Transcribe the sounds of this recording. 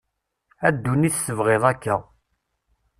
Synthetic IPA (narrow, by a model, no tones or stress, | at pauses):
æd̪ːuniθsəvʁeðˤækːæ